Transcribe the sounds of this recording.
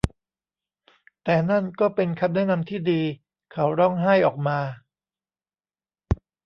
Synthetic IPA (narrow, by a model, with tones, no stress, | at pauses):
t̪ɛː˨˩na˥˩nkɔː˥˩pe˧nkʰa˦˥p̚nɛ˥˩˨na˧mt̪ʰiː˥˩diː˧ | kʰa˦˥wɾɔ˥˩ŋɦaː˥˩jʔɔː˨˩k̚maː˧